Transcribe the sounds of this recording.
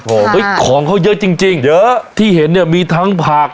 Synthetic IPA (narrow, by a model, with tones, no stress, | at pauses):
ʔoː˧˩ʔə˦˥˩jkʰɔː˩˦ŋkʰa˧˥˩wjə˦˥t͡ɕi˧ŋt͡ɕi˧ŋjə˦˥t̪ʰiː˥˩he˩˦nːi˥˩miː˧t̪ʰa˦˥ŋpʰaː˨˩k̚